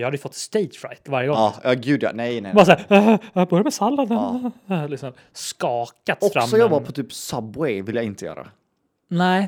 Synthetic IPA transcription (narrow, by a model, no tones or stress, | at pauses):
jɑhad̪əjʏfɔt̪ːst̪ɛjt̪fɾa̰jt̪vaɾjəɡɔːjɑːɡʉ̟ːd̪jɑ̰nɛjbɑɾasaæːɾbœɾjamɛsalːad̪əlɪksɔm | skɑːkat̪ɔfɾamsɔjɔbːapʰɔt̪ʰyːpsœbwɛjvɪljaɡɪnt̪əjœ̰ːɾa̰ | nɛɪ